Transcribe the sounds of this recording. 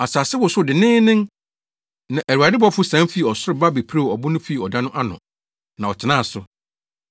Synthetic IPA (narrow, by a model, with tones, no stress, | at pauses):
a˨saː˨sɪ˦wʊ˨sʊ˦˨dɪ˨nɪ̃ː˦nɪ̃˦ŋ | nã˨ʔæ˨ɾu˨a˨dɪ˦bɔ˦fʊ˦sã˨˦mfi˦˨ɔ˨sʊ˦ɾɪ˨ba˦be˨pʰɾe˦˨ɔ˨bʊ˦nʊ̃˦fi˦˨ɔ˨dã˦nʊ̃˦ʔa˦nʊ̰̃˨ | nã˨ɔ˨tʰɪ˨nãː˦˨sʊ˨